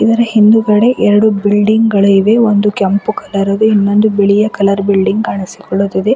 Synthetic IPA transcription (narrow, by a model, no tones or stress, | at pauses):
id̪ɐɾɐhind̪uɡɐɽe̞ʔɛɾɐɽubilɖiŋɡɡɐɭuiʋe̞ond̪ukɐmpukɐlɐɾɐd̪uinːo̞nd̪ubeɭijɐkɐlɐɾbilɖiŋɡkaːɳisi̥kɔɭːod̪id̪e̞